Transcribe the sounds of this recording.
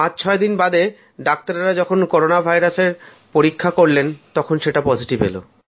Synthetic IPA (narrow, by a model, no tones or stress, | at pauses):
ãt͡ɕt͡ɕʰɔed̪inbad̪e | ɖak̚t̪aɾeɾad͡ʑɔkʰonkɔɾonabʱajɾaseɾ | poɾikʰːakoɾlent̪ɔkʰonʃeʈapɔd͡ʑiʈibḛlo̰